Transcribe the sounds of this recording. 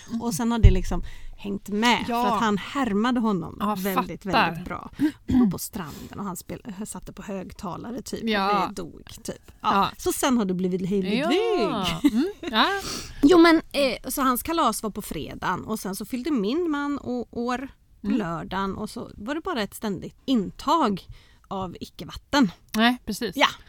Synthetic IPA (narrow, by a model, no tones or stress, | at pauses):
ʔɔsɛnhaɖɛlɪksɔmhɛŋt̪mɛfɾat̪hanhæɾmad̪əɦɔnːɔ̰mvɛld̪ɪt̪vɛd̪ɪt̪̚bɾɑ̰ːɡpʰɔst̪ɾa̰nd̪ə̰nɔhanspḛsat̪ːəpʰɔhøːɡt̪ʰɑːlaɾət̪ʰy̰ːpd̪ɛd̪ṵːɡ̥t̪ʰy̰ːpɑsɔsɛnhaɖɛbliːvɪt̪ɦœjlɪɡ̪iɡ | juːmɛnsɔhanskʰalɑːsvaɾpʰɔfɾḛːd̪a̰nɔsɛnsɔfʏld̪əmɪnmanːɔʔoːɾ | pʰɔlœːɖanɔ̰sɔ̰vaɖɛbɑːɾaɛt̪st̪ɛnd̪ɪɡt̪ɪnːt̪ʰɑːɡ | avɪkːəvat̪ːən | ɾɛsiːsja